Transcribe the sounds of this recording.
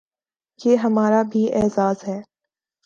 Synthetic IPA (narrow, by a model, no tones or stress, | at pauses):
jeːɦɐmaːɾabʱiʔɛːzaːzɦɛː